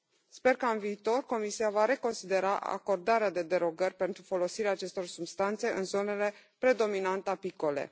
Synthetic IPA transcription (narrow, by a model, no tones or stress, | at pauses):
spe̞rkəɨnviːt̪o̞rko̞misiavaɾe̞ko̞nsid̪e̞ɾaʔa̰ko̞rd̪aɾead̪e̞d̪e̞ɾo̞ɡərʲpe̞nt̪ɾufo̞lo̞siɾeaːt͡ʃe̞st̪o̞rsubst̪ant̪se̞ɨnzo̞ne̞le̞pɾe̞d̪o̞minant̪apiko̞le̞̰